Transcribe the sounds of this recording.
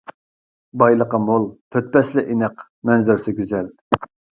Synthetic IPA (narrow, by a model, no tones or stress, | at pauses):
bɑjlˠəqɑmolˠt̪ʰøt̪̚pɛslɪʔinəq | mɛnzɪɾsɪɡʲyzɛl